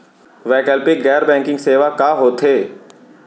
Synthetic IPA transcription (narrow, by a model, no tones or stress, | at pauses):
ʋɛːkəlpɪkɡɛːɾbɛ̃ːŋkɪ̃ŋɡseːʋakaːɦoːt̪ʰeː